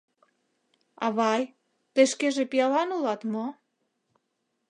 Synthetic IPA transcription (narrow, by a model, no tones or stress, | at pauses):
ɑ̰βɑj | t̪eʃkeʒepijɑlɑnulɑt̪mo